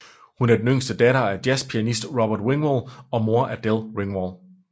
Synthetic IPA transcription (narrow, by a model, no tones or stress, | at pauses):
hunæɐd̥enøŋ̰sd̥əd̥æɾɐæd̥jæspʰiænisd̥ʁɒb̥ɐd̥weŋʋɒlɒ̽mo̝ɐʔæd̥elweŋʋɒl